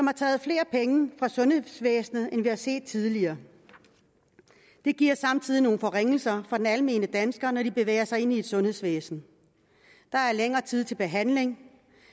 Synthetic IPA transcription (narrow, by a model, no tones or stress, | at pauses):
sɒ̽mhɑ̈t͡sʰɛ̰ːð̞̩ˠfle̝ːɐpʰeŋəfʁɑ̈sɔ̽nhe̝ðˠsʋḛːsnð̩ˠenʋihɑ̈se̝̰ːd̥̚t͡sʰið̞ˠliɐː | d̥e̝ɡ̥iɐ̰sɑ̈mt͡sʰið̰ˠino̝ːn̩fɒ̽ʁeŋ̰l̩sɐfɑ̈d̥enælme̝̰ːnəd̥ænsɡ̥ɐnɒd̥ib̥e̝ʋḛːɐsɑ̈ɪe̝nie̝d̥sɔ̽nhe̝ðˠsʋḛːsn̩ | d̥ɑ̈æɐleŋɐːt͡sʰið̰ˠt͡sʰe̝lb̥e̝ɦæn̰le̝ŋ